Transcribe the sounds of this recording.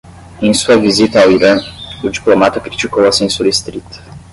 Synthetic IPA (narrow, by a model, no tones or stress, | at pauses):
ẽsuɐvizit̪ɐawiɾɐ̃ʊd͡ʒiplomat̪ɐkɾit͡ʃikowɐsẽsuɾest̪ɾit̪ɐ̥